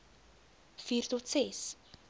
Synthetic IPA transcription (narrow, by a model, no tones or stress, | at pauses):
fiːrtɔtsɛs